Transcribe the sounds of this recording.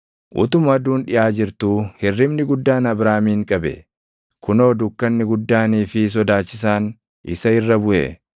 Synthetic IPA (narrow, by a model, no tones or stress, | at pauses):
ʔʊ̰t̪ʊmɐd̪uːnᶑɪʔaːd͡ʒɪɾt̪uːhɪrːɪmnɪɡʊd̪ːaːnɐbɾaːmiːŋkʼɐbɛ̰ | kʊno̞ːd̪ʊkːɐnːɪɡʊd̪ːaːniːfɪs̬ɔd̪aːt͡ʃːɪs̬aːn | ʔɪ̰sɐɪrːɐbʊʔḛ